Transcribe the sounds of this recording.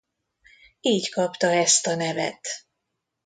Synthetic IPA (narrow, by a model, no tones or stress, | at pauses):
iːckɒpt̪ɒɛst̪ɒnɛvɛ̰t̪